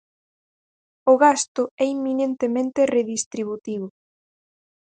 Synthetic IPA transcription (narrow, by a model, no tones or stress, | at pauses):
ʊɣast̪ʊɛimːinent̪emẽnt̪ereðist̪ɾiβut̪iβ̞ʊ